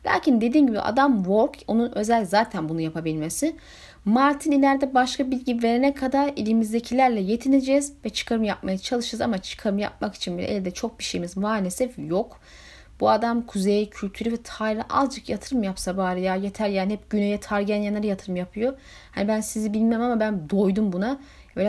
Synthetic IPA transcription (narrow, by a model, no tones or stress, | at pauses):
lʲa̰ːcʰind̪e̞d̪iːnɟibḭʔa̰d̪amvo̞ɾko̞nunø̞zælʲzaːt̪ʰænbunujapʰabilʲmesɪ | maɾt̪ʰinilʲæɾd̪ɛbaʃkabilʲɟive̞ɾenɛkʰad̪aɾilʲimizd̪e̞cʰilʲæɾlʲɛje̞t̪ʰined͡ʒɛzvɛt͡ʃʰɯ̥kʰaɾɯmjap̚majat͡ʃʰalˠɯʃɯɾza̰mat͡ʃʰɯ̥kʰaɾɯmja̰p̚maki̥t͡ʃʰinbilʲɛ̰ʔḛlʲd̪ɛt͡ʃʰo̞k̚biʃejimizmaːlʲe̞sɛfjo̞k | buad̪amkʰuzejcʰylʲt̪ʰyɾyvɛt̪ʰaːɾnaʔazd͡ʒakjat̪ʰɯɾɯmjapsabaːɾɯjajet̪ʰæɾjaːnihɛpɟ̥ynejɛt̪ʰaɾɟænjanaɾajat̪ʰɯɾɯmjapʰɯjo̞ | ha̰nibænsizibilʲmemamabænd̪o̞jd̪umbuna | e